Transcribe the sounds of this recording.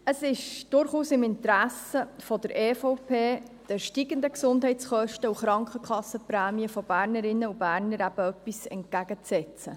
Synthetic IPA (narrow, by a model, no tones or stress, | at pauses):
əsɪʃd̥ʊɾχuːsɪmɪntɾæsəfɔdəɾʔeːfɔʊpʰeː | d̥əʃtiɡənd̪əksʊndɦhɛɪt͡sχœʃtəuχɾɑŋkχəkʰχɑsːəpɾɛːmiəfɔb̥æːɾnəɾɪnːəub̥æːɾnəɾæb̥əœpːisɛ̰nt̚ɡ̥æɡət͡sɛt͡sə